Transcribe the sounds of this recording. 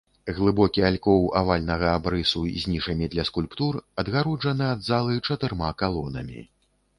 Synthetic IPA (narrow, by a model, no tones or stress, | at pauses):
ɣlˠɨbɔkʲialʲkɔwa̰valʲnɐɣɐabɾɨsuzʲnʲiʂɐmʲid̪lʲɐskulʲpt̪urɐd̪ɣaɾɔd͡ʐɐnɨad̪zalˠɨt͡ʂɐt̪ɨrmakalˠɔnɐ̰mʲḭ